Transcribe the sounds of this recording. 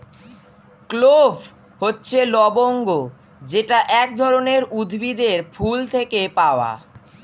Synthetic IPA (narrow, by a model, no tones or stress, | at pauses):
klob | hotːɕʰelɔboŋɡo | d͡ʑeʈaʔɛk̚d̪ʱɔɾoneɾud̪ʱbid̪eɾfult̪ʰekepaoa̰